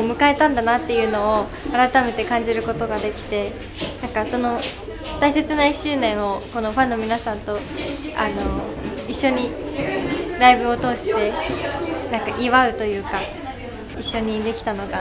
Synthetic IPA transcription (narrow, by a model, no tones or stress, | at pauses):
omɯ̟kae̞t̪ãnd̪anat̪ːe̞jɯ̟ːno̞o | aɾat̪ame̞t̪e̞kãɲ̟d͡ʑiɾɯ̟ko̞t̪o̞ɡad̪e̞kʲi̥t̪e̞ | nãŋkaso̞no̞ | t̪aise̞t͡sɨnaiɕːɨːnẽ̞ɰ̃o̞ko̞no̞ɸãnːo̞mʲinasãnt̪o̞a̰no̞ | iɕːo̞ɲ̟i | ɾaibɯ̟o̞t̪o̞ːɕi̥t̪e̞ | nãŋkaʔiβaɯ̟t̪o̞jɯ̟ːka | iɕːo̞ɲ̟id̪e̞kʲi̥t̪ano̞ɡa